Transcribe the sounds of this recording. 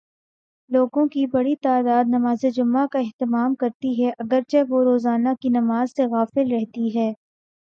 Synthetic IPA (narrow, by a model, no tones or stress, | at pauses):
loːɡõkibɐɽit̪aːd̪aːd̪nɐmaːzed͡ʒʊmːakaɛɦt̪ɪmaːmkɐɾt̪iɦɛʔɐɡəɾt͡ʃɛʋoɾoːzaːnakinɐmaːzseɣaːfɪlɾɛɦt̪iɦɛː